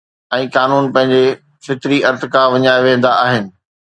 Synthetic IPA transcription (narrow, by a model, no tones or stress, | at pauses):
ɛ̃ːkaːnuːnpɐ̃ɦɪ̃ɲ̆d͡ʑe | fɪt̪ɾiʔɐɾt̪kãʋɐɲaːɪʋẽːn̆d̪aʔaːɦɪnɪ̆